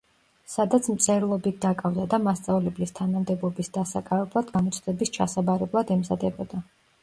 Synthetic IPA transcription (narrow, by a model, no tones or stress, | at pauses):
sad̪at̪sʰmt̪sʼɛɾlˠɔbit̪̚ʰd̪akʼavd̪ad̪amast̪sʼavlɛblist̪ʰanamd̪ɛbˠɔbisd̪asa̰kʼavɛblˠad̪ɡamɔt̪sʰʼd̪ɛbist͡ʃʰasabaɾɛblˠad̪ɛmzad̪ɛbɔd̪a